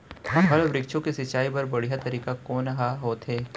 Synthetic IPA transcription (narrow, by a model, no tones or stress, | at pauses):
ɦɐ̃ɦəlʋɾɪkʃõkisɐt͡ʃaːipɐɾbɐɽ̤ijat̪ɐɾiːkakoːnɦaɦoːt̪ɦeː